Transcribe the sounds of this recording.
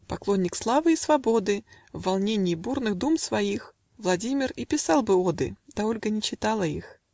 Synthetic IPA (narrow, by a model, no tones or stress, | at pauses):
pɐklˠonʲːɪkslˠavɨisvɐbo̞d̪ɨ | vːɐlˠnʲenʲɪːburnɨɣd̪umsvɐix | vlˠɐdʲimʲɪripʲɪsalˠbɨod̪ɨ̰d̪̥ɐolʲɡənʲɪt͡ɕɪt̪alˠəix